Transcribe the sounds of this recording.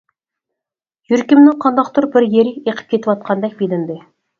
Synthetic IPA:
jʏɾkʲɪmnɪŋqʰɑnd̪ɑqt̪ʰʊɾbɪɾjeɾeqə̥p̚kʲʰe̞t̪ɪpwɑt̪̚qʰɑnd̪æk̚bed̪ɪnd̪e

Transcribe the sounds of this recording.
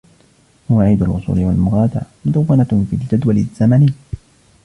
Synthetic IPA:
hʊwaʕiːd̪alʔʊsˤṵːlɪwalmʊɣaːd̪a̰ʕmʊd̪awːanafiːld͡ʒad̪walɪzːamani

